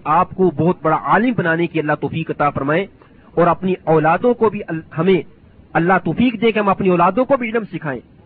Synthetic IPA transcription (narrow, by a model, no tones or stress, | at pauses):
aːpkobɔɦʊt̪̚bɐɽaʔaːlɪmbɐnaːnekiɐlːaɦt̪ɔːfiːkɐt̪aːfɐɾmaːẽ | ɔːɾɐpniɔːlaːd̪õkobʱiɦɐmẽ | ɐlːaɦt̪ɔːfiːkd̪ẽkeɦɐ̃mɐpniɔːlaːd̪õkobʱiɖnəmsɪkʰaːḛ̃ː